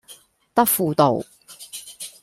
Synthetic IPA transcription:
t̪ɐ˥k̚fuː˨t̪o˨˩w

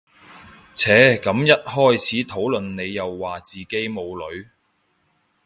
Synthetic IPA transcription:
t͡sʰɛː˨˥kɐ˨˥mjɐ˥t̚hɔː˥jt͡sʰiː˨˥t̪ʰo˨˥wlɵ˨nne˨˧jːɐ˨wːaː˨t͡siː˨ke˨˥jmo˨˧wlɵ˨˧ɥ

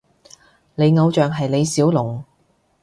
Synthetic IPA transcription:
le˨˧jŋɐ˨˧wt͡ʃœː˨ŋɦɐ˨jne˨˧jsiː˨˥wlʊ˨˩ŋ

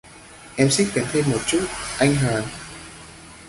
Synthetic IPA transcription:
ʔɛ˧msi˦˥k̚k̪a˨˩˦nt̪ʰe˧nmo˨˩t̚t͡ɕu˦˥t̚ʔa˧jŋ̟ɦəː˨˩n

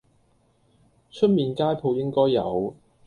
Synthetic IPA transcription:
t͡ʃʰɵ˥t̚miː˨˧nkaː˥jpʰo˨˧wjɪ˥ŋkɔː˥jːɐ̰˨˧w

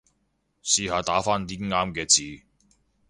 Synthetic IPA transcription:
siː˧ɦaː˨˧t̪aː˨˥faː˥nt̪iː˥ŋaː˥mkɛː˧t͡siː˨

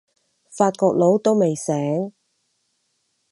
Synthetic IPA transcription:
faː˧t̚kɔː˧k̚lo˨˥wt̪o˥wme˨jsɛː˨˥ŋ

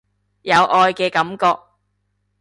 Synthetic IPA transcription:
jɐ˨˧wʔɔː˨˧jkɛː˧kɐ˨˥mkɔː˧k̚

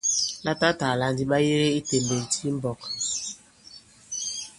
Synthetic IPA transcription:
la˦ta˦ta˨la˨n˦di˦ɓa˦je˦ɾe˦i˦te˨m̩˨be˨tʰi˦m̩˦bɔ˨k

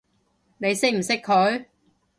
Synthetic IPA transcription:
ne˨˧jsɪ˥k̚m̩˨˩sɪ˥kʰɵ˨˥ɥ

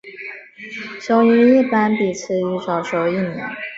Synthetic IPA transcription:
ɕjo˧˥ʊy˧˥i˥˩pa˥npi˨˩t͡sʰɹ̩˥˩y˧˥˩ʂɑ˨˩ʊʂo˧˩ʊi˥˩mjɛ̰˧˥n

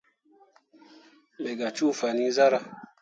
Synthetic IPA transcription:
bɛ˨ɡa˨t͡ʃu˦˨fa˨ni˦za˦ɾa˨

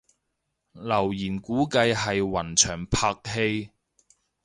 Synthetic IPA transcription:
lɐ˨˩wjiː˨˩nkuː˨˥kɐ˧jɦɐ˨jwɐ˨˩nt͡ʃʰœː˨˩ŋpʰaː˧k̚he˧j

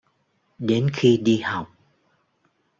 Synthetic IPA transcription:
ɗe˨˦nxi˧ɗi˧ha˨˩wk͡p̚

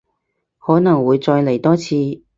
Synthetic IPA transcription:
hɔː˨˥nɐ˨˩ŋwuː˨˧jt͡sɔː˧jle˨˩jt̪ɔː˥t͡sʰiː˧

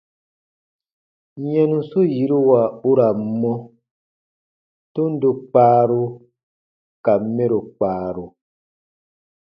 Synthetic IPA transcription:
ɲɛ˦nũ˦so˦ji˨˦ɾi˦wa˨u˦ɾa˨m̩˦mɔ˦ | to˦n̩˦du˧k͡paː˦ɾu˦ | ka˨m̩˦me˦ɾo˨k͡paː˨˦˨ɾu˨

